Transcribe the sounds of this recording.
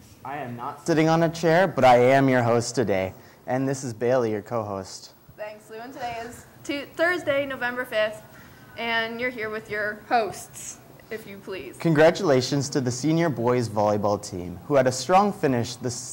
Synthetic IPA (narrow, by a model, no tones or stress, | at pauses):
ʔaɪɨ̃mnətsɪɾɪ̃ŋə̃nɨt͡ʃʰɛɹbʌɾaɪɨ̃mjə˞ɦoʊstʰɨdeɪ | ʔɨ̃nðɪsɨzbeɪlˠijə˞kʰoʊɦoʊst | θæ̃ŋkslʉɨ̃ntʰɨdeɪɪz̥ | tʰʉθɜ˞zdeɪnoʊvɛ̃mbə˞fɪfθ | ʔɨ̃njə˞ɦiɹwɨðjə˞hoʊsts | ɨfjɨpʰl̥iz̥kʰɨ̃nɡɹæt͡ʃəleɪʃɨ̃nz̥tʰɨðɨsĩnjə˞bɔɪzvɑlˠjɨbɔl̩ˠtʰḭ̃mhuɨɾɨstɹ̥ɔ̃ŋfɪ̃nɪʃðɨs